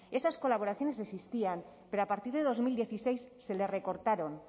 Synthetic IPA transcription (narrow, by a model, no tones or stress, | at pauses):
e̞sasko̞laβo̞ɾaθjo̞ne̞sesist̪iam | pe̞ɾoapaɾt̪iɾðeðo̞zmild̪je̞θise̞jsːe̞le̞re̞ko̞ɾt̪aɾo̞n